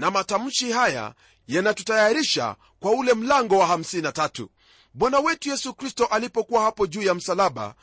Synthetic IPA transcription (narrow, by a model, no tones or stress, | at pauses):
namatam̩ʃihaja̰ | janatutajaɾiʃa̰ | kwaulɛm̩laŋɡɔwaham̩sininatatṵ | ɓwanawɛtujɛsukɾistɔʔalipɔkuwahapɔʄuːjam̩salaɓa̰